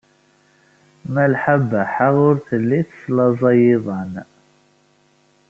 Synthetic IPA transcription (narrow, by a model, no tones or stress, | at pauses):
mælħabːæħaʁʊɾθəlːiθəslɑzˤɑjɪðˤɑn